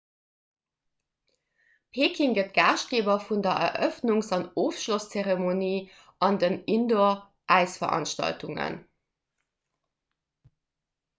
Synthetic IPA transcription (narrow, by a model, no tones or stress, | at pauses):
pʰeːkʰiŋɡətɡ̥aːʃt̚ɡ̥eːbɐfundɐʔɛ̰ʔœfnuŋsɑnoːfʃlost͡seʁemoniː | ʔɑndənindo | ʔæɪsfɐʔɑ̰nʃtɑ̰ltʰuŋə̰n